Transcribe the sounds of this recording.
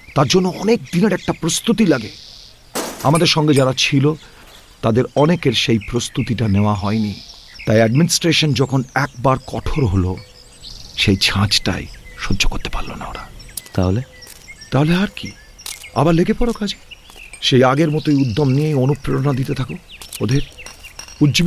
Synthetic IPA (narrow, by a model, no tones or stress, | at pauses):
t̪aɾd͡ʑonːoɔnek̚d̪ineɾɛk̚ʈapɾost̪ut̪ilaɡe | a̰mad̪eɾʃɔŋɡed͡ʑaɾat͡ɕʰilo | t̪ad̪eɾɔnekeɾʃejpɾost̪ut̪iʈaneoaɦɔeni | t̪ajɛɖminisʈɾeʃond͡ʑɔkʰonɛk̚baɾkɔʈʰoɾɦolo | ʃejt͡ɕʰãt͡ɕʈa̰jʃodːokoɾt̪e̥pa̰ɾlo̰na̰o̰ɾat̪aɦole | t̪aɦoleɦaɾki | a̰baɾleɡepɔɾokad͡ʑe̥ | ʃejaɡeɾmɔt̪ojud̪ʱːomniejonupɾeɾonad̪it̪et̪ʰakood̪ʱeɾ | udd͡ʑi